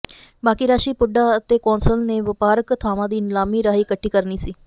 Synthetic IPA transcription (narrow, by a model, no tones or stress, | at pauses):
baːkiːɾaːʃiːpʊɖaːət̪eːkɔːnsəlneːʋɪpaːɾəkt̪ʰaːmãːd̪iːɪnlaːmiːɾaːiːkəʈʰːiːkəɾniːsiː